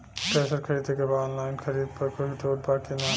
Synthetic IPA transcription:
ʈɾesəɾkʰəɾid̪ekebaɔːnlajnkʰəɾid̪̚pəɾkoɦit̪ʰoʈ̚pakena

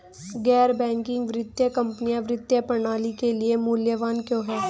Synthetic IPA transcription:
ɡɛːɾbɛ̃ːŋkɪ̃ŋɡʋɾɪt̪jəkɐ̃mpnijaʋɾɪt̪jəpɾɐɳ̃aːlikeliemuːljəʋaːnkjõːɦɛː

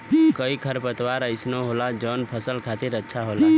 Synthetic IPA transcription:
kəikʰəɾpət̪waɾəɪsnoɦolad͡ʒɔnpʰəsəlkʰat̪iɾətːʃʰaɦola

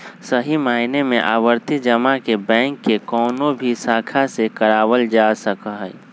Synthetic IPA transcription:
səɦimaːɪnemḛ̃ʔaːwəɾt̪id͡ʒəmakebɛ̃ːŋkːekɔːnobʱisaːkʰasekəɾaːwəld͡ʒasəkɦɛ

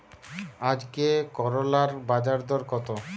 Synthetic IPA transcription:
ad͡ʑkekɔɾolaɾbad͡ʑaɾd̪ɔɾkɔt̪o

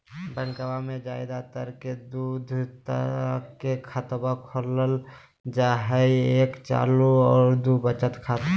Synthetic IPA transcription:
bənkəwamẽd͡ʒaːɪd̪at̪əɾked̪uːd̪ʱt̪ə̰kekʰət̪bakʰoləl | d͡ʒaɦəieːkt͡ʃa̰ːluɔːɾd̪ubət͡ʃət̪kʰaːt̪

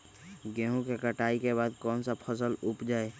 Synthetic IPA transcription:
ɡẽːɦũkekəʈaːikebaːd̪̚kɔːnsapʰəs̬əlʊpd͡ʒaːe

